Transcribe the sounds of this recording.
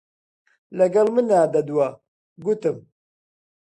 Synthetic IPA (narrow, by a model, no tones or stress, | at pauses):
lɐɡɐlmɨnːaːd̪ɐd̪uwa | ɡut̪ɨm